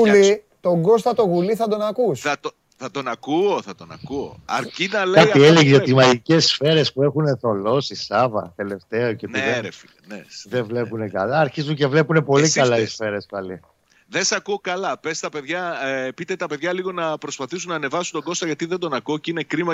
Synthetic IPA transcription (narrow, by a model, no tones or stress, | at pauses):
uli | t̪o̞ŋɡo̞st̪ɐt̪o̞ɣuliθɐd̪o̞nɐkusɐ | θɐt̪o̞nɐkuoθɐt̪o̞nɐ̰kuo̰ɐ̰ɾcinɐlkɐieleʝizot̪imɐʝice̞sfe̞ɾe̞spue̞xune̞θo̞lo̞sisɐvɐ̰t̪e̞le̞ft̪e̞oceot̪ieɾefi | neðevle̞ppune̞kɐ̰lɐːɾçizuɲce̞vle̞pune̞po̞likɐlɐisfe̞ɾe̞spɐli | ðesɐkuokɐlɐpest̪ɐpe̞ðʝɐpit̪et̪ɐpeðʝɐliɣonɐpɾo̞spɐθisunɐːne̞vɐsunt̪oɡo̞st̪ɐʝɐt̪iðend̪o̞nɐkuocinekɾimɐ